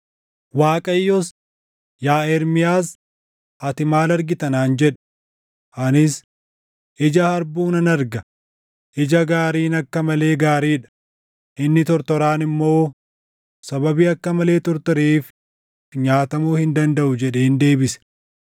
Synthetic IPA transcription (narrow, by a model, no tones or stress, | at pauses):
waːkʼɐjːɔs | jaːɛɾmɪjaːs | ʔɐt̪ɪmaːlɐɾɡɪt̪ɐnaːnd͡ʒɛᶑ | ʔɐnɪs | ʔɪd͡ʒɐhɐɾbuːnɐnɐɾɡɐ | ʔɪd͡ʒɐɡaːɾiːnɐkːɐmɐle̞ːɡaːɾiːᶑɐ̥ | ʔɪnːɪt̪ɔɾt̪ɔɾaːnɪmːo̞ː | sɐbɐbiːɐkːɐmɐle̞ːt̪ɔɾt̪ɔɾiːf | ɲaːt̪ɐmuːhɪnd̪ɐnd̪ɐʔʊd͡ʒɛᶑe̞ːnd̪e̞ːbɪsɛ̥